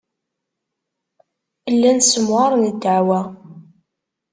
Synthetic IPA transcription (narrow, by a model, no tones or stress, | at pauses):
əlːænsəmʁɑɾˤnəd̪ːəʕwæ